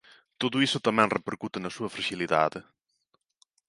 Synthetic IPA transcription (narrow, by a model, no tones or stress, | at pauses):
t̪oðʊisʊt̪ɐmɛ̃ŋrʔepeɾkut̪ɐnɐsuɐfɾɐʒiliða̰ðɪ